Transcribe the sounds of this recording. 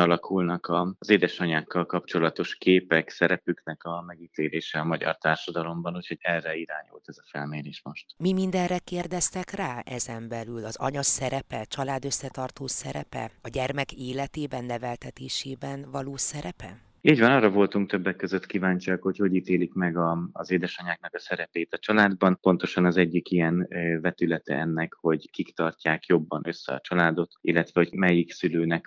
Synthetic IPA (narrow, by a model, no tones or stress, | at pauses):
ɒlɒkʰulnɒkɒzeːd̪ɛʃɒɲaːkːɒlkɒpt͡ʃo̞lɒt̪o̞ʃkeːpɛksɛɾɛpyknɛkɒmɛɡit̪eːleːʃɛɒmɒɟɒ̰rt̪aːrʃɒd̪ɒlo̞mbɒnucho̞ɟɛrːɛiɾaːɲṵlt̪ɛzɒfɛlmeːɾeːʃmo̞ʃt̪mimind̪ɛnrɛkeːrd̪ɛst̪ɛkraːɛzɛmbɛlylɒzɒ̰ɲɒsɛɾɛpɛt͡ʃɒlaːd̪ø̞sːɛt̪ɒrt̪oːsɛɾɛ̰pɛ̰ɒɟɛrmɛkeːlɛt̪eːbɛnːɛvɛlt̪ɛt̪eːʃeːbɛnvɒloːsɛɾɛpɛ̰ | iːɟvɒnɒːrːɒvo̞lt̪uŋk̚t̪øbːɛkːøzøt̪kiːvaːɲt͡ʃiɒkho̞cho̞ɟiːt̪eːlikmɛɡɒzeːd̪ɛʃɒɲaːk̚nɒkɒsɛɾɛpeːt̪ɒt͡ʃɒlaːd̪bɒnpo̞nt̪o̞ʃɒnɒzɛɟːikijɛnvɛt̪ylɛt̪ɛ̰ɛnːɛkho̞ɟkikt̪ɒrcaːkjo̞bːɒnʔø̞sːɛ̰ɒ̰t͡ʃɒlaːd̪o̞t̪ilːɛt̪vɛho̞ɟmɛjiksyløːnɛk